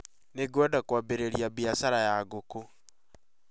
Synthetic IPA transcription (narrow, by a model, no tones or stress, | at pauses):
neɡwɛdakwabeɾeɾjabiasaɾajaɡoko